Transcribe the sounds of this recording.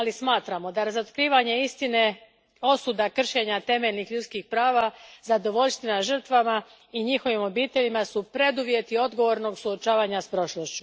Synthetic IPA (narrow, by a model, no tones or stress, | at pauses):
alismaːt̪ɾamo̞d̪aɾazot̪kɾiːʋaɲe̞ist̪ine̞ | o̞sud̪akr̩ʃe̞ɲat̪e̞meʎnixʎut̪skixpɾaːʋazad̪o̞ʋo̞ʎst̪ʋinaʒr̩t̪ʋama | iɲixo̞ʋimo̞biːt̪e̞ʎimasupɾe̞d̪uʋje̞t̪io̞d̪ɡo̞ʋo̞ɾno̞ɡsuot͡ʃaːʋaːɲaspɾo̞ʃlost͡ɕu